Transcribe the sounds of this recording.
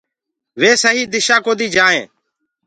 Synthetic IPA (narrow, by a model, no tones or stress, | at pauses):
ʋeːsəɦiːd̪ɪʃaːkoːd̪iːd͡ʒaːḛ̃ː